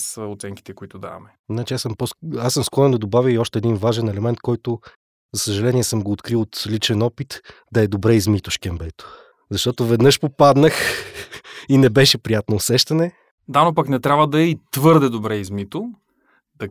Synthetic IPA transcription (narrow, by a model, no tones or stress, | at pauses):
səot̪sɛŋki̥t̪ɛkʊit̪od̪a̰ɐ̰mɛ | nat͡ʃiasəmposasːəmskɔɾɛnd̪ɐd̪obavʲəiɔʃt̪ɛːd̪invaʒɛnɛlɛmɛnt̪kɔjt̪ʊ | zɐsəʒɐlɛniɛsɤmɡoːt̪kɾilot̪lit͡ʃɛnɔpit̪d̪ɐɛd̪obɾɛizmit̪ʊʃkɛmbɛt̪o̥ | zɐʃt̪ɔt̪ovɛd̪nɤʃpopad̪nəx | inɛbɛʃɛpɾijat̪noːsɛʃt̪ɐnɛ | d̪anop̬ɐknɛt̪ɾʲabvəd̪ɐɛit̪vɤɾd̪ɛd̪obɾɛizmit̪o | d̪̥ɐ